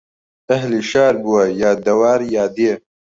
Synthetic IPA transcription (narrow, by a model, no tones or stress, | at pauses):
ɐɦliʃaːɾbuwajaːd̪ɐwaːɾjaːd̪eː